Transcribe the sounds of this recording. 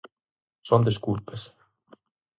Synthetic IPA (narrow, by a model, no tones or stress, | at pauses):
sond̪eskuːt̪̚pes